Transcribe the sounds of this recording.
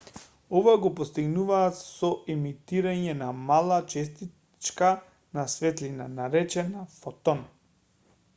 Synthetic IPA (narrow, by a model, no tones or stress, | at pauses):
ɔvaɡɔpɔst̪iɡnuvaːt̪sɔɛmit̪iɾaɲɛnamalˠat͡ʃɛst̪i | t͡ʃka | nasvɛt̪linanaɾɛt͡ʃɛnafɔt̪ɔn